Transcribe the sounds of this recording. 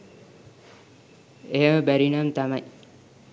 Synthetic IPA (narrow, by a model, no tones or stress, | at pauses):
eɦəməbæɾinamt̪amaj